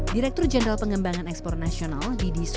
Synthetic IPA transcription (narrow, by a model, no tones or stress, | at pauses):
diɾɛk̚t̪ʊrd͡ʒɛnd̪ɾalpəŋəmbaŋanɛkspɔrnasionaldidis